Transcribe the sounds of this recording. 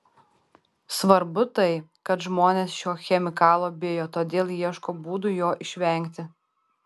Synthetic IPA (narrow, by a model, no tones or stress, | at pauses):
sʋɐɾbʊt̪ɐɪkɐt̪ʒmoːnʲeːsʃʲoːxʲɛmʲɪkɑːlˠoːbʲeːjoːt̪oːd̪ʲeːlˠjiɛʃkoːbuːd̪ujoːʔɪʃʲʋʲɛˑŋʲkʲt̪ʲɪ